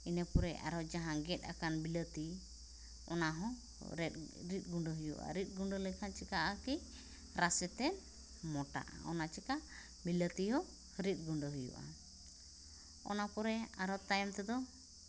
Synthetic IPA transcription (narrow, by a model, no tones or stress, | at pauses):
inəpɔɾɛʔa̰ɾɔd͡ʒaɦãɡɛt̪̚ˀakanbilət̪i | ɔnaɦɔ̃ | ɾɛɾit̪̚ˀɡuɳɖəɦujṵʔa̰ɾit̪̚ˀɡuɳɖəlɛkʰant͡ʃikaʔaki | ɾasɛt̪ɛn | mɔʈa̰ʔa̰ɔnat͡ʃikaʔ | bilət̪iɦɔ | ɾit̪̚ˀɡuɳɖəɦujṵʔa̰ | ɔ̰napɔɾɛaɾɔt̪ajɛmt̪ɛd̪ɔ